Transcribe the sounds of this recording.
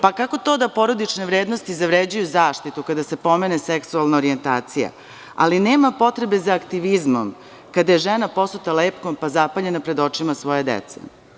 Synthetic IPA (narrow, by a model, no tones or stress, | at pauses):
pakako̞t̪o̞d̪apo̞ɾo̞d̪it͡ʃneʋɾeːd̪no̞st̪izaʋɾed͡ʑujuzaːʂt̪it̪ukad̪ase̞po̞meneseksualˠnaoɾient̪a̰ːt̪sija̰ | a̰lineːmapo̞t̪ɾe̞be̞zaːkt̪iʋizmom | kad̪aje̞ʒenapo̞snut̪aleːpko̞mpazapaʎe̞napɾe̞d̪o̞t͡ʂimasʋo̞jed̪ḛt̪sḛ